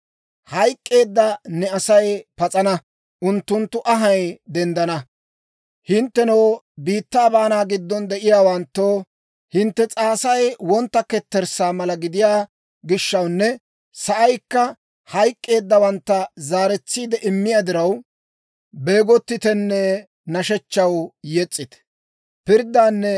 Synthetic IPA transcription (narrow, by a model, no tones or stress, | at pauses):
hɐjkʼːe̞ːd̪ːɐnɛɐsɐjpɐt͡sʼɐnɐ | ʔʊnt̪ːʊnt̪ːʊʔɐɦɐjd̪ɛnd̪ɐnɐ | hɪnt̪ːɛnow | biːt̪ːaːbaːnaːɡɪd̪ːɔnd̪ɛʔɪjaːwɐnt̪ːoː | hɪnt̪ːɛt͡sʼaːsɐjwɔnt̪ːɐkɛt̪ːɛɾsaːmɐlɐɡɪd̪ɪjaː | ɡɪʃːɐwnːɛ | sɐʔɐjkːɐ | hɐjkʼːe̞ːd̪ːɐwɐnt̪ːɐzaːɾɛt͡sːiːd̪ɛʔɪmːɪjaːd̪ɪɾɐw | be̞ːɡɔt̪ːɪt̪ɛnːɛ | nɐʃɛt͡ʃːɐwjɛt͡sʼːɪt̪ | pɪɾd̪ːaːnːɛ